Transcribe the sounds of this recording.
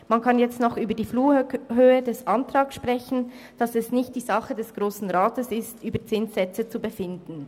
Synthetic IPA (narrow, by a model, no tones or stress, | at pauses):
mankʰɑnjɛt͡stnɔχʔyːbəɐdiːfluːhøːədɛsʔantʁ̥aːksʃpʁ̥ɛçn̩ | d̥ɑsɛsnɪçt̚d̥iːzɑχədɛsɡ̥ʁoːsn̩ʁaːtəsɪstʔyːbət͡sɪnsɛt͡sət͡subəfɪndn̩